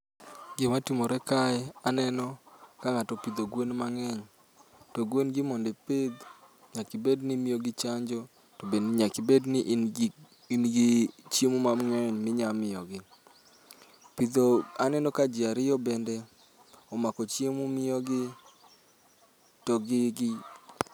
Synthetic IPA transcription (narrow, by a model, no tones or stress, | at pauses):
ɡematimoɾɛkaɛanɛnɔkaŋatɔpid̪oɡwonmaŋɛɲ | toɡwonɡɪmɔndeped̪ | ɲakɪbednimɪjoɡɪt͡ʃaɲd͡ʒɔ | tobenɲakɪbednɪʔ | inɡɪt͡ʃjemumamŋɛɲmɪɲamɪjɔɡɪ | pid̪oanɛnɔkad͡ʒɪaɾɪjɔbende | ɔmakɔt͡ʃjemumɪɔɡɪ | tɔɡɪɡɪ